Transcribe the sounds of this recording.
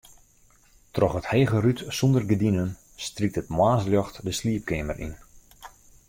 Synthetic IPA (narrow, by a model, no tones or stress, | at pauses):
trɔχətheːɣərytsɔndərɡədinən | strik̚tətmwaːsljɔxtdəsliəp̚kʰɪmərʔḭn